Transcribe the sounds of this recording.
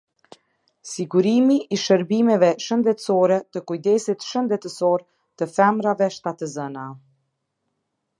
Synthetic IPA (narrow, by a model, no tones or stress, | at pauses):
siɡuɾimiʔiʃəɾbimɛvɛʃənd̪ɛt̪sɔɾɛt̪əkujd̪ɛsit̪ʃənd̪ɛt̪əsɔɾ | t̪əfɛmɾavɛʃt̪at̪əzəna